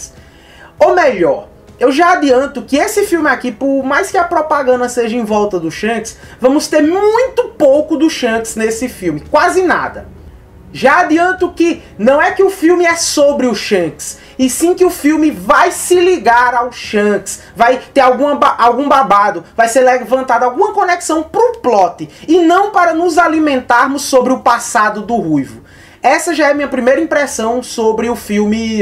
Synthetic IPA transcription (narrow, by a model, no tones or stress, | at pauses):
s | omeʎɔɾ | ewʒaad̪iɐ̃nt̪ʊkɪesɪfiwmɪakipʊɾmajskɪɐpɾɔpaɡɐ̃nd̪ɐseʒɐẽvɔwt̪ɐd̪ʊʃɐ̃ksvɐ̃mʊst̪eɾmũj̃t̪ʊpowkʊd̪ʊʃɐ̃ksnesɪfiwmɪkwazɪna̰d̪ɐ | ʒaad̪iɐ̃nt̪ʊkɪ | nɐ̃w̃ɛkɪʊfiwmɪɛsobɾɪʊʃɐ̃ks | ɪsĩkɪʊfiwmɪvajsɪliɡaɾawʃɐ̃ks | vajt̪eɾawɡũɐbaʔawɡũbabad̪ʊvajseɾlɛvɐ̃nt̪ad̪ʊawɡũmɐkõnɛksɐ̃w̃pɾʊplɔt̪ɪɪnɐ̃w̃paɾɐnʊzalimẽnt̪aɾmʊsːobɾɪʊpasad̪ʊd̪ʊhujvʊ | ɛsɐʒaɛɐmĩɲɐpɾimejɾɐĩpɾɛsɐ̃w̃sobɾɪʊfiwmɪ